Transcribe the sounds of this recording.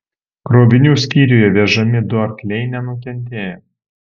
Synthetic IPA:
kɾoːbʲɪnʲuːsʲkʲiːɾʲujɛʋʲɛʒɐmʲɪd̪ʊɐɾklʲɛɪnʲɛnʊk̬ʲɛnʲt̪ʲeːjɛ

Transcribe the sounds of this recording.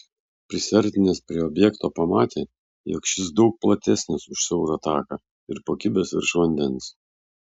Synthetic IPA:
pʲɾʲɪsʲɛɾʲt̪ʲɪnʲeːspʲɾʲiɛɔbʲjɛkt̪oːpɐmɑːt̪ʲeː | jo̰kʃʲɪs̬d̪ɒʊk̚plˠɐt̪ʲɛsʲnʲɪsʊʃsʲɛʊɾɐt̪ɑːkɐ | ɪɾpoːkʲibʲeːsɪ̰ɾʃʋɐnʲd̪ʲɛns

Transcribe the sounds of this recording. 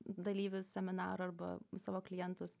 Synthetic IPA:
d̪ɐlʲiːʋʲʊssʲɛmʲɪnɑ̰ːɾʊɐɾbɐ̰sɑːʋoːklʲɪjɛnt̪ʊs

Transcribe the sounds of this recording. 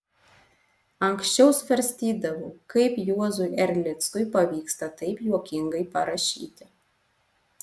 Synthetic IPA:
ɐŋksʲt͡ʃʲɛʊsfʲɛɾʲsʲt̪ʲiːd̪ɐʋokɐɪpjuɔzʊjɛɾʲlʲɪt̪skʊjpɐʋʲiːkst̪ɐt̪ɐɪpjuɔkʲɪŋɡɐɪpɐɾɐʃʲḭːt̪ʲɪ

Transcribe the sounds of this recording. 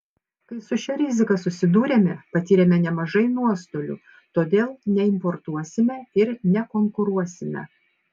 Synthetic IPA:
kɐɪsʊʃʲɛɾʲɪzʲɪkɐsʊsʲɪd̪uːɾʲeːmʲɛpɐt̪ʲiːɾʲemʲɛnʲɛmɐʒɐɪnuɔst̪oːlʲṵː | t̪oːd̪ʲeːlˠnʲɛɪmpɔɾt̪uɔsʲɪmʲɛɪɾnʲɛkoŋkʊɾuɔsʲɪmʲɛ̰

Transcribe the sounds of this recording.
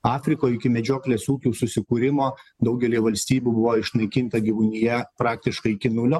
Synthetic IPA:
ɑːfʲɾʲɪkoːjɪkʲɪmʲɛd͡ʒʲoːklʲeːsuːkʲuːsʊsʲɪkuːɾʲɪmoːd̪ɐʊɡʲɛlʲiːʋɐlʲsʲt̪ʲiːbʲuːbʊʋoːɪʃnɐɪkʲɪnt̪ɐɡʲiʋʊnʲɪjɛpɾɑːk̚t̪ʲɪʃkɐɪɪkʲɪnʊlʲoː

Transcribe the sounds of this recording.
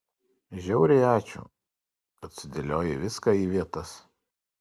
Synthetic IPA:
ʒʲɛʊɾʲɛɪɑːt͡ʃʲṵː | ɐt̪ʲsʲɪd̪ʲelʲoːjɛʋʲɪskɑiːʋʲiɛt̪ɐs

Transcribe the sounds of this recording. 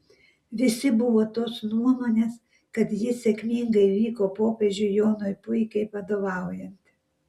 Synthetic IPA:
ʋʲɪsʲɪbʊʋoːt̪oːsnuɔmoːnʲeːs | kɐt̪jɪsʲɛkʲmʲiŋɡɐɪʋʲiːkoːpoːpʲeːʒʲʊjoːnoːjpʊɪkʲɐɪpɐd̪oːʋɑˑʊjɛnt̪

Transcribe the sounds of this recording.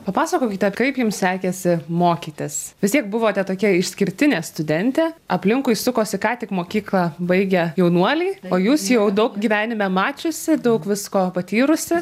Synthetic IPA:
pɐpɑːsɐkoːkʲɪt̪ʲɛkɐɪpjʊmssʲæːkʲɛsʲɪmoːkʲiːt̪ʲɪsʋʲɪst̪ʲiɛk̚bʊʋoːt̪ʲɛt̪oːkʲiɛɪʃʲsʲkʲɪɾʲt̪ʲɪnʲeːst̪ʊd̪ʲɛnʲt̪ʲeːɐpʲlʲɪŋkʊɪsʊkoːsʲɪkɑːt̪ʲɪkmoːkʲiːklˠɑbɐɪɡʲɛjɛʊnuɔlʲiːoːjuːsjɛʊd̪ɐʊkɡʲiːʋʲæːnʲɪmʲɛmɑːt͡ʃʲʊsʲɪd̪ɐʊkʋʲɪskoːpɐt̪ʲiːɾʊsʲɪ

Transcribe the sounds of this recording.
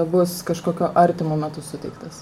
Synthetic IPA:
bʊskɐʃkoːkʲoːʔɐɾʲt̪ʲɪmoːmʲɛt̪ʊsʊt̪ʲɛɪkt̪ɐs

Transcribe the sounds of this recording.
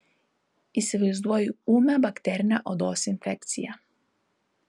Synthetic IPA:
iseʋɛuzd̪ʋojuumabakt̪eɾnaʔod̪osinfek̚t̪sḭja

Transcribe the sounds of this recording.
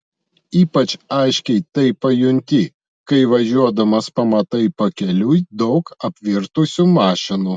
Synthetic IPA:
iːpɐt͡ʃɐɪʃʲkʲɛɪt̪ɐɪpːɐjʊnʲt̪ʲɪ | kɐɪʋɐʒʲuɔd̪ɐmɐspɐmɐt̪ɐɪpɐkʲɛlʲuːjd̪ɒʊkɐpʲʋʲɪɾt̪usʲumɑːʃʲɪnu

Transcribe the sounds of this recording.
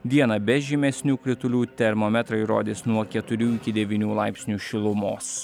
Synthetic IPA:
d̪ʲiɛnɐbʲɛʒʲɪmʲɛsʲnʲuːkɾʲɪt̪ʊlʲuːt̪ʲɛɾmoːmʲɛt̪ɾɐɪɾo̰ːd̪ʲɪsnuɔkʲɛt̪ʊɾʲuːɪkʲɪd̪ʲɛʋʲiːnʲuːlˠɑɪpʲsʲnʲuːʃʲɪlˠʊmoːs

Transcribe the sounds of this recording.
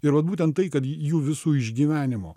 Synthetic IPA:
ɪɾʋɐt̪buːt̪ʲɛnt̪t̪ːɐɪkɐt̪juːʋʲɪsuːɪʒʲɡʲiːʋʲæːnʲɪmo̰ː

